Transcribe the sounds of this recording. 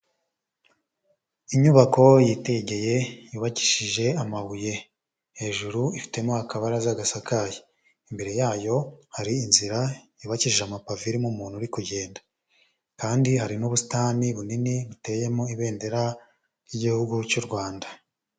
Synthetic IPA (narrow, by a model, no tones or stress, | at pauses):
iɲuβako̞jite̞ɟe̞je̞juːβaci̥ʃiʒe̞amaβuje̞ | he̞ːʒuɾuifi̥te̞mohakaβaɾazaɡasakaji | imbe̞ɾe̞jaːjo̞haɾiːnziɾajuːβaciʃiʒamapaviɾimumuːnhuɾikuɟe̞ːnda | kaːndiɦaɾinuβusi̥taːniβuniniβute̞je̞moiβe̞ːnde̞ɾa | jiɟihuɡut͡ʃuɾɡwaːnda